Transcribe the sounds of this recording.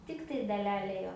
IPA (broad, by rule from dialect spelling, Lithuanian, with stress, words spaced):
ˈtʲɪktɐɪ dɐˈlʲæːlʲɛ ˈjoː